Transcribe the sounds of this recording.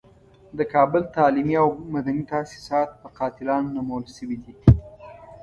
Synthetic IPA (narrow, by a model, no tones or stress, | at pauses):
d̪əkɑbəlt̪ɑlimiawmad̪anit̪asi̥sɑt̪̚pəqɑt̪ɪlɑnːamawəlʃəwid̪i